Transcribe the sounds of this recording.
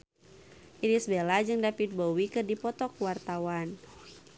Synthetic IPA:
ʔiɾisbelad͡ʒɨŋdapit̪̚bowikɨrdipɔt̪ɔkuwart̪awan

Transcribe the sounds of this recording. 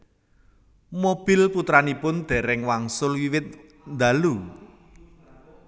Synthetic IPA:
mob̥ɪ̤lput̪ɾanipʊnd̪̥ɛ̤ɾɛŋwaŋsʊlwiwɪt̪̚ | nd̪alu

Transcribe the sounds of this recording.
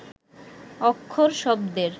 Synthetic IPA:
ɔkʰːoɾʃɔb̚d̪eɾ

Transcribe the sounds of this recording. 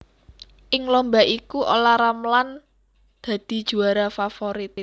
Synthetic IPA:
ʔɪŋlombaʔikuʔo̰laɾamlan | d̪̥ä̤d̪̥i̤d̥ʒ̥ṳaɾafafoɾit̪

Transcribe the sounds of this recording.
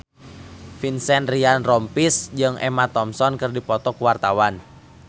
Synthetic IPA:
finsɛnrianrɔmpisd͡ʒɨŋʔɛ̰mat̪ɔmsɔnkɨrdipɔt̪ɔkuwart̪awan

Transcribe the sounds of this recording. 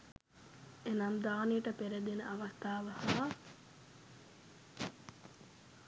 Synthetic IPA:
enamd̪aːnijəʈəpeɾed̪enəʔaʋast̪aːʋɐha

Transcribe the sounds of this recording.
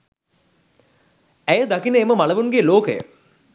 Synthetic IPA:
æjəd̪akinəeməmaləʋunɡeloːkəjə̰

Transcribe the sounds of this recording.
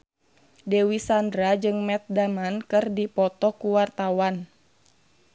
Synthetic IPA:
dɛwisandɾad͡ʒɨŋmɛt̪̚damankɨrdipɔt̪ɔkuwart̪awan

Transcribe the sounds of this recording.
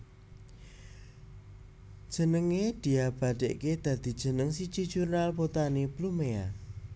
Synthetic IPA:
ʒ̥ə̤nəŋed̪̥i̤ab̥aɖ̪̥ḛʔked̪̥a̤d̪̥i̤̥ʒ̥ə̤nəŋsid̥ʒ̥i̤̥ʒ̥unalpot̪aneplumea

